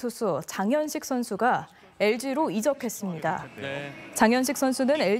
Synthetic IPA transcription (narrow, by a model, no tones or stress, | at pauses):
usʰut͡ɕaŋjʌnɕʰik̚s͈ʰʌnsʰuɡa | e̞ɭd͡ʑiɾoid͡ʑʌpʰe̞s͈ɯmɲida | t͡ɕaŋjʌnɕ̬ʰik̚s͈ʰʌnsʰunɯne̞ɭ